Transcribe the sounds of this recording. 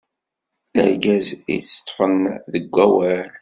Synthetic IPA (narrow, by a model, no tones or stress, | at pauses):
əɾɡæzḭt͡sːə̥t̪ˤːfənðəɡʷːæwæl